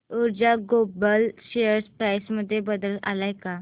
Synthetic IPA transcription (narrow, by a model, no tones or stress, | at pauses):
uɾd͡ʑaɡobəlɕejəɾspɾajsməd̪ʱːjebəd̪əla̰lajka